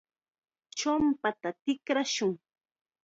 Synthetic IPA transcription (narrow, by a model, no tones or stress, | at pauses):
t͡ʃʊmpat̪at̪ɪkɾaʃʊŋ